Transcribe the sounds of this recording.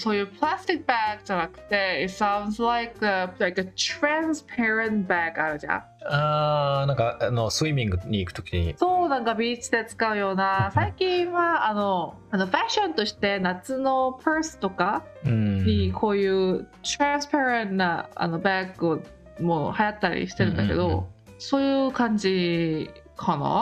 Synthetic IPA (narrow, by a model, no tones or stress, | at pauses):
so̞ːjɯːplast̪ik̚ːɯbaɡɯd͡ʑanakɯ̟̥t̪e̞itsãʊ̃nd̪slaɪkəlajkət̪ɾãnspʰeɾãntbaɡaɾɯ̟d͡ʑã̰ | anãŋkaanosɨwiːmʲĩŋɡɯɲ̟iːkɯ̟t̪o̞kʲiɲḭsonãŋkabʲiːt͡ɕid̪e̞t͡sɨ̥kaɯ̟jo̞ːnasaikʲĩɰβaano | ano̞ɸaɕõ̞nt̪o̞ɕi̥t̪e̞nat͡sɨno̞pʰeɾsɨ̥t̪o̞ka | ɯ̃ɲ̟ikʰo̞ːjɯːt̪ɾãñspeɾẽnːaa̰no̞bakɯo | mohajat̪ːaɾʲḭɕi̥t̪e̞ɾɯ̟̃nd̪ake̞̰d̪o | soːjɯ̟kãɲd͡ʑi | kʰɑnɑ̰